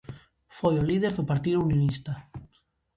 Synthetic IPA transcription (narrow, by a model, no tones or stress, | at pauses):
fojolið̞eɾðʊpaɾt̪iðuunjonist̪a